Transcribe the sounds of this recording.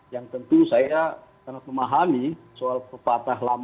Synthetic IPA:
jaŋt̪ənt̪usaja | kanak̚məmaɦami | soalpəpat̪aɦlam

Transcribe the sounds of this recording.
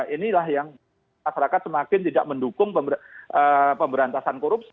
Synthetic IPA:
ʔinilahjaŋ | maʃaɾakat̪̚səmakɪnt̪ida̰ʔ̚məndukʊŋpəʔəpəmbəɾant̪asankoɾup̚s

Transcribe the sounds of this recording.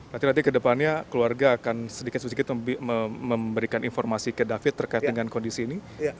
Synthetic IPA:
ɾat̪inat̪̬ikədəpanɲakəluarɡaːkansədikɪt̪səsdikɪt̪əməbəɾikanʔinformasikədafɪt̪ːərkaɪt̪dəŋankondisiːni

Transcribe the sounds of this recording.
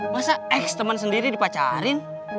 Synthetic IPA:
basaɛkst̪əmansəndiɾidipat͡ʃa̰ɾɪn

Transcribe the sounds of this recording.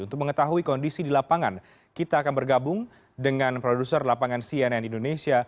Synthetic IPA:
unt̪ʊk̚məŋət̪aɦuikɔndisidilapaŋan | kit̪aːkanbərɡabʊŋ | dəŋanpɾodusərlapaŋansiɛnɛndindonesia

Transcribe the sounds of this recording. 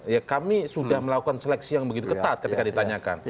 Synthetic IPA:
jakamisudahməlakukanselɛksijaŋbəɡit̪ukət̪at̪̚kət̪ikadit̪aɲaka̰n

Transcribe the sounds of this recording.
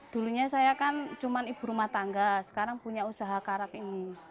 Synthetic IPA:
d̪̥ṳluɲasajakant͡ʃumanib̥ṳɾumaht̪aŋɡasə̥kaɾaŋpuɲausaɦakaɾakini

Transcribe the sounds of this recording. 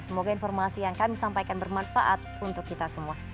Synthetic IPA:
səmoɡainfɔrmasijaŋkamisampajkanbərmanfaʔat̪̚unt̪ʊkːit̪asəmua

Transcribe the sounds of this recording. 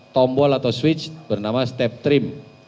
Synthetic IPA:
t̪ɔmbɔlat̪awswɪt͡ʃb̥ərnamast̪ɛp̚t̪ɾɪm

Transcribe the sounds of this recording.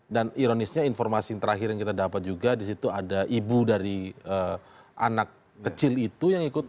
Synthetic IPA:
daniɾonɪsɲainfɔrmasint̪əɾaɦɪɾjaŋkit̪adapat̪̚d͡ʒuɡadisit̪uadaʔibudaɾiə | ʔa̰nak̚ː | ət͡ʃɪlit̪ujaŋikʊt̪̚

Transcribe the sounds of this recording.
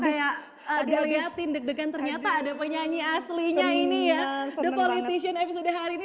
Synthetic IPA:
kajaʔ | ədaɾiat̪indək̚dəkant̪ərɲat̪aːdapəɲaɲiasliɲainijadəpolit̪isiənepisodaɦaɾini

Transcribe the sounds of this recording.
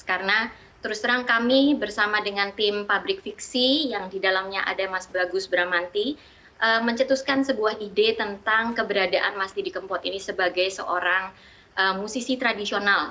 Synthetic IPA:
kaɾəna | t̪əɾʊst̪əɾaŋkamibərsamadəŋant̪ɪmpabɾɪk̚fiksijaŋdidalamɲaʔa̰damasbaɡʊsbəɾamant̪i | ʔəməɲt͡ʃət̪uskansəbuaɦidet̪ənt̪aŋkəbəɾadaʔanmast̪idikəmpɔt̪inisəbaɡajsə̰ʔoɾaŋ | ʔəmusisit̪ɾadisional

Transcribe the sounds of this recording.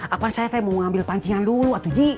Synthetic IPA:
apansajasajamoŋambɪlpaɲt͡ʃiŋanduluat̪ud͡ʒi

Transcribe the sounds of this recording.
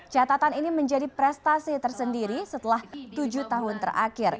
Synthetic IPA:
t͡ʃat̪at̪aniniməɲd͡ʒadipɾɛst̪asit̪ərsəndiɾisət̪əlaht̪ud͡ʒut̪aɦʊnt̪ə̰rʔa̰kɪr

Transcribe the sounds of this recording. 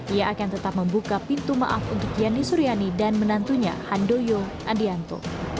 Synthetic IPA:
ʔijaʔakant̪ət̪ap̚məmbukapint̪uma̰ʔafudəkianisuɾianidanmənant̪uɲa̰handojo | ʔadiant̪o̰

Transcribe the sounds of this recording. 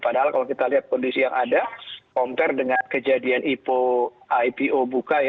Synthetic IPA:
padaɦalkalawkit̪aliɦat̪̚kɔndisijaŋʔadakɔmt̪ɛrdəŋankəd͡ʒadianʔipo | ajpiʔobukaj

